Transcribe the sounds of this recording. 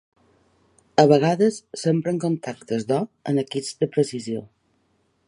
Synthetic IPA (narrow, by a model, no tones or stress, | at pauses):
əβəɣaðəsːempɾəŋkont̪ʰakt̪əzd̪ɔə̰nəkizd̪əpɾəsizio